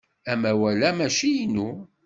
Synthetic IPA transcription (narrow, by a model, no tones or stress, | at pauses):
æmæwælæmæʃijnu